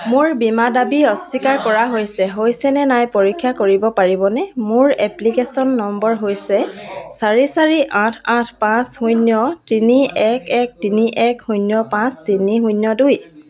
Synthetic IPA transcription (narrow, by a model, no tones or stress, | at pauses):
mʊɹbimadabiɔsikaɹkɔɹaɦojsɛɦojsɛnɛnajpoɹikʰːakoɹibɔpaɹibɔnɛmʊɹɛplikesɔnːɔmbɔɹɦojsɛsaɹisaɹiʔãtʰãtʰpãsxujnjɔtiniɛkɛk̚tiniʔɛkxujnjɔpãstinixunjɔduj